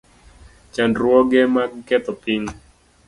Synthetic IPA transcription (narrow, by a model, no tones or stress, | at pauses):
t͡ʃandɾuɔɡɛmakɡɛt̪ɔpiŋ